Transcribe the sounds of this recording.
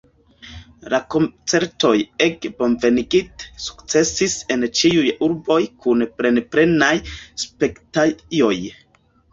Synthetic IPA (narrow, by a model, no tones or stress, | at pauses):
lako̞nt͡se̞ɾto̞jekbo̞nve̞niɡitsu̥kt͡se̞sise̞nt͡ʃiujuɾbo̞jkunpɾe̞npɾe̞najspe̞ktajo̞j